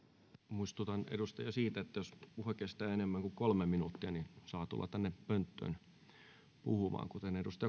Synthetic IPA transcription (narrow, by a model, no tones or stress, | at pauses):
muist̪ut̪ɑnḛdust̪ɑjɑsiːt̪æet̪ːæjospuhɑkest̪æːenemːæŋkukolmeminut̪ːiɑninsɑːt̪ṵlːɑ̰t̪ænːepønt̪ːø̰n | puhumɑ̰ːŋkut̪enedust̪ɑjɑ